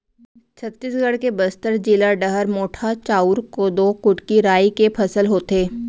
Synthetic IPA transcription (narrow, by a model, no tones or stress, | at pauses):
t͡ʃʰɐt̪ːiːsɡʱəɽkebəst̪əɾd͡ʒɪlaɖəɦəɾmoːʈʰat͡ʃaːuːɾkod̪oːkʊʈkiɾaːikepʰɐsəlɦoːt̪eː